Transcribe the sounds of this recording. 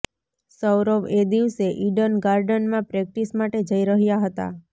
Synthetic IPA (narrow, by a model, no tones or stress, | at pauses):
səwɾəʋed̪iʋseʔiɖənɡaɾɖənmãpɾek̚ʈismaʈed͡ʒəiɾəɦjaɦət̪a̰